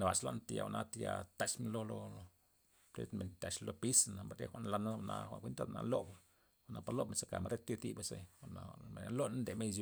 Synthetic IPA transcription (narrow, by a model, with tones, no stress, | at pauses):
na˨ba˨t͡ʃlo˦nt̪ja̰˨wa˨nʔa˧t̪ja˧t̪a˨t͡ʃme˧nlo˧lo˧o˧ | pɾḛ˦t̪me˨nt̪a˨t͡ʃlo˧pi˦sna˨ba˨ɾḛ˦xʷa˦ʔnla˧na˦˧˨na˧xʷa̰˨kʷi˦nt̪a˦d̪na̰˧lo˦b | a˨ʔna˨pa˧ɾlo˦bme˧nsa˧ka˨ma˨ɾe˦t̪i˦t̪i˦ba˧sḛ˦a˨na˨ma˨nʲa˦lo˦na˦nd̪e˨me˦˧zi˧